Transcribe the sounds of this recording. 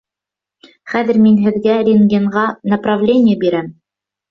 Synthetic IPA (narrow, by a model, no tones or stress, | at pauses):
χæðɘ̆ɾminɦɘ̆ðɡæɾʲɪnɡʲeɴʁɑnɐprɑvlʲenʲɪjəbiɾæm